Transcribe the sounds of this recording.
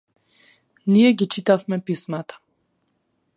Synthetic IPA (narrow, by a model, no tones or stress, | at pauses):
nijɛɡit͡ʃit̪afmɛpismat̪ḁ